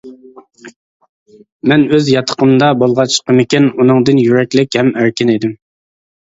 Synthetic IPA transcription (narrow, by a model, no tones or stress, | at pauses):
mɛnøzjɑt̪ʰə̥qʰəmd̪ɑbolˠʁɑt͡ʃʰqəmɪkʲɛnunɨŋd̪ɨnjyɾɛkʲlɪkʲhɛmæɾkʲɪned̪ɪm